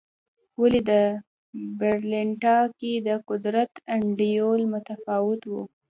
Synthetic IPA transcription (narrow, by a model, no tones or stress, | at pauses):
waled̪ə | bɪɾlɪɳʈɑked̪əqʊd̪ɾat̪aɳɖijolmʊt̪afɑwɪt̪wu